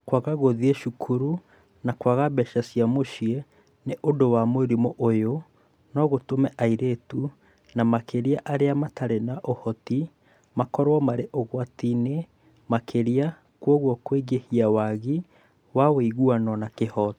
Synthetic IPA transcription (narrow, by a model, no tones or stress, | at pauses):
kwaɣaɣoðieʃukʰuɾu | nakwaɣabɛʃasiamoʃie | neʔondowamweɾimoʔojo | nɔɣotomɛʔaiɾetu | namakeɾiaʔaɾeamataɾenaʔohɔti | makɔɾwɔmaɾeʔoɣwatine | makʰeɾia | kwɔɣwɔkweɡehiawaɣi | waweiɣuanɔnakehɔt